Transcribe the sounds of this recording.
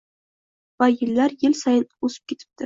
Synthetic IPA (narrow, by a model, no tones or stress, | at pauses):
vajɪlːaɾjɪlsajɪnosɪ̥p̚kʲe̞t̪ʰɪ̥p̚t̪ʰɪ